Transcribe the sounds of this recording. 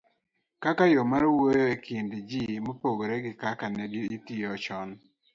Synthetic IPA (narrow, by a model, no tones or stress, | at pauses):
kakajɔmaɾwojoekʰindd͡ʒimopoɡoɾɛɡɪkakanɛdiitiɔt͡ʃɔn